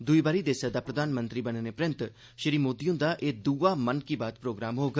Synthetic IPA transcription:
d̪ʊiːbaːɾiːd̪eːsəd̪aːpɾəd̪aːnmənt̪ɾiːbənənepɾɪnt̪ | ʃɪɾiːmoːd̪ijõːd̪aːʔeːd̪uːaːmənkiːbaːt̪pɾoːɡɾaːmɦoːɡaː

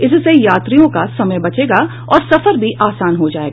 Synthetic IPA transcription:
ɪssejaːt̪ɾijõkasɐməjbɐt͡ʃeːɡa | ɔːɾsɐfəɾbʱiʔaːsaːnɦod͡ʒaːeːɡaː

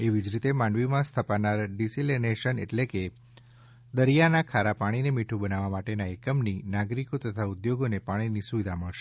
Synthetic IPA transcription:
eʋid͡ʒɾit̪emãɳɖʋimãst̪ʰəpanaɾɖisilineʃənḛʈleke | d̪əɾijanakʰaɾapaɽ̃inemiʈʰũbənaʋamaʈenaekəmninaɡɾikot̪ət̪ʰaʊd̪joɡonepaɽ̃inisuʋid̪ʱaməɭʃe

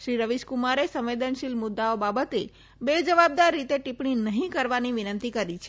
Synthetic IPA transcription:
ʃɾiɾəʋiʃkumaɾesə̃mʋed̪ənʃilmʊd̪ːaobabət̪e | bed͡ʒəʋab̚d̪aɾːit̪eʈipɳinəɦĩkəɾʋaniʋinənt̪ikəɾit͡ʃʰe

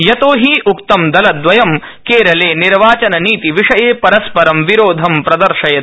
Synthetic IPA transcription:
jɐt̪oːɦiːʔukt̪ɐmd̪ɐlɐd̪ʋɐjɐm | keːɾɐleːniɾʋaːt͡ʃɐnɐniːt̪iʋiʂɐjeːpɐɾɐspɐɾɐmʋiɾoːd̪ʱɐmpɾɐd̪ɐɾʂɐjɐ

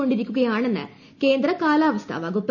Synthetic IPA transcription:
o̞ɳɖiɾikʲːuɣɐjaːɳe̞nːɨ̰ | ke̞ːnd̪ɾɐkaːlaːʋɐst̪ʰa̰ːʋɐɡopː

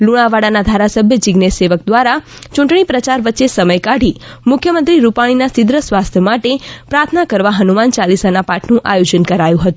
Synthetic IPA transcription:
luɽ̃aʋaɽanad̪ʱaɾasəbʱjəd͡ʒɪɡneseʋək̚d̪ʋaɾa | t͡ʃũɳʈɳ̃ipɾət͡ʃaɾʋətːʃesəməjkaɽimʊkʰjəmə̃nt̪ɾiɾupaɽ̃inasid̪ɾəsʋast̪ʰjəmaʈepɾaɾt̪ʰənakəɾʋaɦənumant͡ʃalisanapaʈʰnũʔajod͡ʒənkəɾajũɦət̪ũ

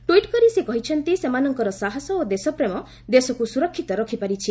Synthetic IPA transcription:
ʈuiʈkɔɾisekɔɦit͡ʃʰɔnt̪isemanɔŋkɔɾɔsaɦɔsɔod̪esɔpɾemɔ | d̪esɔkusuɾɔkʰːit̪ɔɾɔkʰipaɾit͡ʃʰi

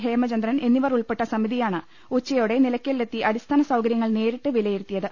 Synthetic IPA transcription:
ɦe̞ːmɐt͡ɕɐnd̪rɐne̞nːiʋɐruɭpeʈːɐsɐmiðijaːɳɨ | ut͡ɕːɐjoːɽe̞nilɐkʲːelːet̪ːiʔɐɽist̪ʰaːnɐsɐwkɐɾjɐŋːɐɭne̞ːɾiʈːɨʋilɐjiɾut̪ːijɐðɨ

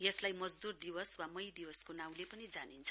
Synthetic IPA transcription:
jʌslajmʌd͡zd̪urd̪iwʌswamʌjd̪iwʌskonaw̃lepʌnid͡zanint͡sʰʌ̥

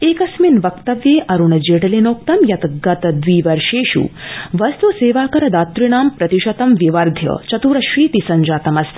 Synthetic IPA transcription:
eːkɐsminʋɐkt̪ɐʋjeːʔɐɾuɳɐd͡ʒeːʈɐlenoːk̚t̪ɐmjɐt̪ɡɐt̪ɐd̪ʋiːʋɐɾʃeːʃṵːʋɐst̪useːʋaːkɐɾɐd̪aːt̪ɾiɳ̃aːmpɾɐt̪iʃɐt̪ɐmʋiʋɐɾd̪ʱjɐ̰t͡ʃɐt̪uːɾɐʃʋiːt̪isɐɲd͡ʒaːt̪ɐmɐst̪

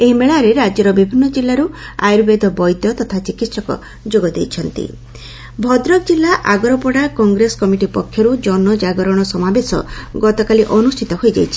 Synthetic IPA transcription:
eɦimeɭaɾeɾad͡ʒjɔɾɔbibʱinːɔd͡ʒilːaɾua̰jɾbed̪ʱɔbɔjd̪jɔt̪ɔt̪ʰat͡ʃikit̪sɔkɔ̰ | d͡ʒoɡɔd̪ejt͡ʃʰɔnt̪ḭ | bʱɔd̪ɾɔk̚d͡ʒilːaʔaɡɔɾɔpɔɽakɔŋɡɾeskɔmiʈipɔkʰːjɔɾud͡ʒɔnɔd͡ʒaɡɔɾɔɽ̃ɔsɔmabesɔ̰ɡɔt̪ɔkaliʔɔnust̪ʰit̪ɔɦojd͡ʒa̰jt͡ʃʰi̥

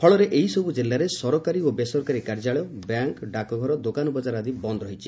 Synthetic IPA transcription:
pʰɔɭɔɾeʔeɦisɔbud͡ʒilːaɾesɔɾɔkaɾiobesɔɾkaɾikaɾd͡ʒaɭjɔbjaŋkɖakɔɡʱɔɾɔd̪okanɔbɔd͡ʒaɾad̪ibɔnd̪ɔɾɔɦit͡ʃʰi̥

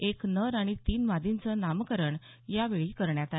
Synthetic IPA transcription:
eknəɾaɽ̃it̪iːnʋad̪int͡sənamkəɾəɳ | jaʋeɭiːkəɾɳjat̪a

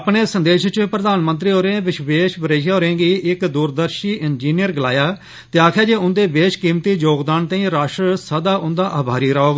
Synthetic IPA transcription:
əpɳeːsənd̪eːʃt͡ʃːpɾəd̪aːnmə̃nt̪ɾiːoːɾẽʋɪʃʋeːʃbəɾeːʃoːɾẽːɡiːʔɪkd̪uːɾd̪əɾʃiːʔɪnd͡ʒiːnɪjəɾɡɪla̰ːjaː | t̪eːaːkʰjaːd͡ʒeːʊnd̪eːbeːʃkiːmt̪iːd͡ʒoːɡd̪aːnt̪ãːĩːɾaːʃɾsəd̪aːʔʊ̃nd̪aːʔaːbʱaːɾiːɾaːoːɡ

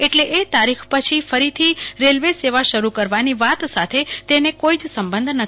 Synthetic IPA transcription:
eʈleʔet̪aɾikʰpət͡ʃʰifəɾit̪ʰiɾelʋeseʋaʃəɾukəɾʋaniʋat̪sat̪ʰet̪enekoid͡ʒsəmbənd̪ʱnə

